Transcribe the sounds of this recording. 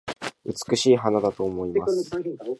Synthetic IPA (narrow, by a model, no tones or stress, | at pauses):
ɯ̟t͡sɨ̥kɯ̟ɕiːɦanad̪at̪o̞ːmo̞immas